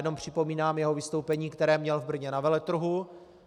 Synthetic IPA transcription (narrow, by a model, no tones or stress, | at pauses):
dno̞mpr̝̥ɪpo̞miːnaːmjɛɦo̞vɪst̪o̞wpɛɲiːkt̪ɛɾɛːmɲɛlvbr̩ɲɛnavɛlɛt̪ɾuɦu